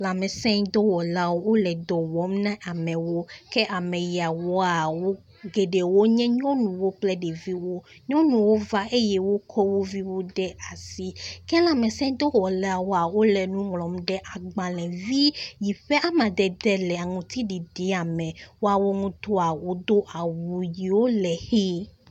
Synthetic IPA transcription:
la˨mɛ̃˨sɛ̃˦ɲd̪ɔ˦wɔ˨la˦wo˦wo˦lɛ˨d̪ɔ˨wɔ˨˦mnã˦ʔa˨mɛ̃˨wo˦kɛ˦ʔa˨mɛ̃˨ji˨a˨wɔ˦a˨wo˦ | ɡe˨ɖe˨wo˦ɲɛ̃˦ɲɔ̃˦nũ˨wo˦k͡plɛ˦ɖe˨vi˦wo˦ | ɲɔ̃˦nũ˨wo˦va˦e˦jɛ˦wo˦kʰɔ˦wo˦vi˦wo˦ɖɛ˦a˨si˦kɛ˦lã˨mɛ̃˨sɛ̃˦d̪o˦ɣɔ˨lɛ˦a˨wo˦a˨wo˦lɛ˨nũ˦ŋlɔ̃˨mɖɛ˦ʔa˨ɡ͡bã˨lɛ̃˨vi˦ji˨ɸɛ˦ʔa˦mã˨d̪ɛ˨d̪ɛ˦lɛ˨a˨ŋũ˨t̪i˦ɖi˨di˨˦a˨mɛ̃˨wo˦a˨wo˦ŋũ˦t̪o˦a˨wo˦d̪o˦ʔa˨wu˨ji˨wo˦lɛ˨xe˦

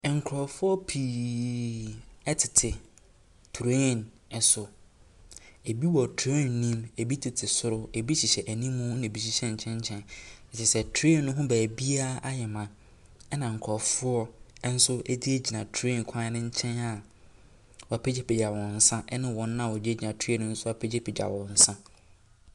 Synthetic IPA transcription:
ŋ̩˨kʰɾɔ˨fʊ˦ɔ˦pʰiː˨ | ɛ˦tʰɪ˨tʰɪ˨ | tʰu˨ɾe˦˨n | ɛ˨sʊ˨ | e˨bi˦wɔ˨tʰɾe˦˨nːĩ˦me˨bi˦tʰɪ˨tʰɪ˨sʊ˦ɾʊ˦e˨bi˦ɕi˨ɕɛ˨ʔæ˨nĩ˦mũ˦ɪ̃˨bi˦ɕ̬i˨ɕɛ˦ɲ̩˨t͡ɕʰɛ̃˦ɲ˦t͡ɕʰɛ̃˦nɛ˨t͡ɕɛ˨sɛ˨tʰe˦˨nʊ̃˦ɦʊ̃˦bæː˨bi˦a˦ʔa˦jɛ˨mã˨ | ɛ˦nã˨ŋ̩˨kʰɔ˨fʊ˦ɔ˦n̩˦sʊ˦ʔe˦di˦e˦d͡ʑi˨nã˨tʰɾe˦˨n˨kʷʰã˦nɪ̃˦ɲ̩˦t͡ɕʰɛ̃˦na˦˨ | wɔ˨a˨pʰɛ˦d͡ʑe˦pʰi˨d͡ʑa˨wɔ̃˨n̩˨sã˦ʔɛ˦nʊ̃˦wɔ̃˨nː˦ã˦˨wɔ˨d͡ʑi˦e˦d͡ʑi˨nã˨tʰe˦nʊ̃˦n̩˦sʊ˦a˨pʰe˦d͡ʑe˦pʰi˨d͡ʑa̰˨wɔ̃˨n̩˨sã˦

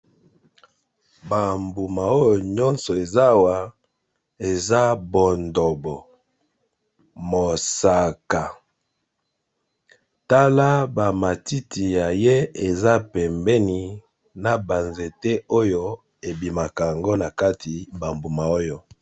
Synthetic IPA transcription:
ba˨mbu˨ma˨o˦jo˨ɲɔ˦nsɔ˨e˨za˦wa˨ | e˨za˦bo˨ndo˨bɔ˨ | mo˨sa˨ka˨ | ta˦la˦ba˨ma˨ti˦tʰi˨ja˨je˦e˨za˦pɛ˨mbɛ˦ni˨ | na˨ba˨nze˨te˦o˦jo˦ | e˨bi˨ma˨ka˨ja˨ŋɡo˦na˨ka˦tʰi˨ba˨mbu˨ma˨o˦jo˦

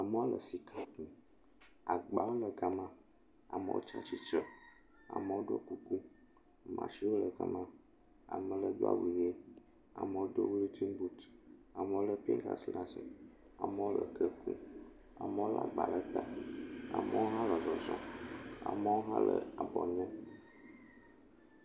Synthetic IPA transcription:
a˨mə˦o˦lə˨si˨kʰa˦kũ˦ | a˨ɡ͡ba˨˦lə˨ɡa˨mã˦ | a˨mə̰˨wo̰˦t͡ʃa˦t͡ɕi˦t͡ʃə˦ | a̰˨mə˨wo˦ɖo̰˦˨ku˨ku˦ | a˨mã̰˨ʃi˦wo˦lə˨ɡa̰˦mã˦ | a̰˨mə˨lə˨d̪o˦a̰˨wi˨je˦ | a̰˨mə̃˨wo˦d̪o˦wu˦lu˦t̪i˦m˦bu˦t̪a˨mə˨wo˦lə˦pḭ˦ŋka̰˦sla˦sɛ˨ | a˨mə˦wo˦lə˨kə˦kṵ̃˦ | a˨mə˦o˦la˨ɡ͡ba˨lə˦t̪a˦a̰˨mə˦wo˦ɦã˦lə˨zɔ˨zɔ̰̃˨a̰˨mə˦wo˦ɦã̰˦lə̰˨a˨bɔ˨ɲɔ̃˦

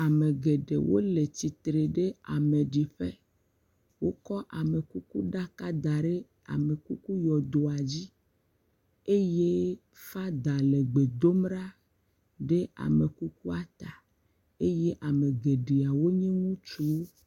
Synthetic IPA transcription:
a˨mẽ˨ɡe˨ɖḛ˨wʔo̰˦le˨t͡ɕi˨t̪ɾe˨ɖe˦a˨mẽ˨ɖi˨ɸe˦ | wo˦kɔ˦ʔa˨me˨ku˦ku˦ɖa˦ka˦d̪a˨ɖe˦ | a̰˨me˨ku˦ku˦jɔ˨d̪o˨a˨d͡ʑi˦ | e˦je˦ | fa˦d̪a˨le˨ɡ͡be˨d̪o˦mɖa˦ | ɖe˦a̰˨me˨ku˦ku˦a˦t̪a˨ | e˦je˦ʔa˨mẽ˨ɡe˨ɖe˨a˨wo˦ɲɛ̃˦ŋũ˦t͡ʃu˦

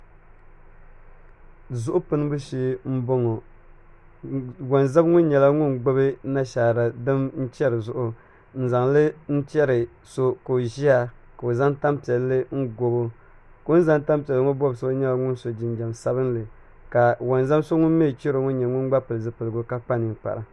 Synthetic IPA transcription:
zʊ˦ʔʊ˦pɨ˦nɨ˦bɨ˦ʃiː˦m̩˦bo˦ŋo˨ | wa˨nza˦bŋʊ˦n˦ɲɛ˨la˦ŋʊ˦nɡ͡bo˦bɨ˦na˦ʃaː˨ɾa˨dɨ˦mn̩˦t͡ʃɛ˦ɾɨ˨zʊ˦ʔʊ˦ | n̩˨za˨ŋlɨ˦n̩˦t͡ʃɛ˦ɾɨ˨ | so˦ko˨ʒi˦a˦ka˨o˨za˦ŋta˦mpi˨ɛ˨lːɨ˦ŋ̩˦ɡo˨bo˦ | ko˦n˦za˦nta˦mpi˨ɛ˨lɨ˦ŋo˦bɔ˦bɨ˨sɨ˦ba˦ɲɛ˦la˨ŋʊ˦n˦so˨d͡ʒɪ˨nd͡ʒa˨msa˦bɨ˦nlɨ˨ | ka˨wa˨nza˦bso˦ŋʊ˦n˦me˦˨t͡ʃi˦ɾo˨ŋʊ˦n˦ɲɛ˨ŋʊ˦n˦ɡ͡ba˦pɨ˨lɨ˨zɨ˨pɨ˨lɨ˨ɡʊ˦ka˦k͡pa˦ni˨k͡pa̰˨ɾa˨

